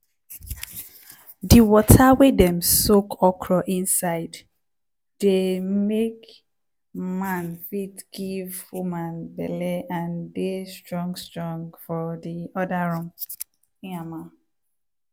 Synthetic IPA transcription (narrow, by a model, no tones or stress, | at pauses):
diwɔtʰawedɛ̃msokʰɔkʰɹɔʔĩnsaɪd | demek | mãnfitɡ̥ivfumãnbɛ̰lɛãndestɹɔ̃ŋɡstɹɔ̃ŋɡfɔdiɔdaɹũm | ĩamã